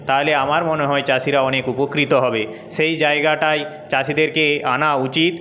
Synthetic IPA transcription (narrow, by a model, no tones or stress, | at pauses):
t̪aɦleamaɾmoneɦɔet͡ɕaʃiɾaɔnekupokɾit̪oɦɔbe | ʃejd͡ʑaeɡaʈaj | t͡ɕaʃid̪eɾkeanaut͡ɕit̪